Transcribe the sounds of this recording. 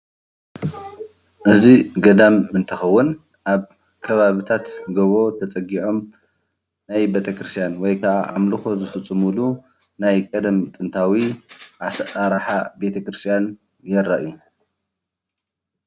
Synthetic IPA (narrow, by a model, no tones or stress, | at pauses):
ʔɨziɡɐd̪ɐmɨnt̪ʰɨxɐwːʊn | ʔaβ | kʰɐβaβɨt̪ʰat̪ɡɐβo̞t̪ʰɐt͡sʼɐɡiʕo̞m | najbet̪ʰɐkɾɨst̪ʰjanwɔjkʰaʔaʔamlɨxo̞zɨfɨt͡sʼːɨmɨlu | najkʼɐd̪ɐmt̪ʼɨnt̪ʰawiʔasaɾaħabe̞t̪ʰɐkɾɨst̪ʰʼijan | jɛɾːaʔɨju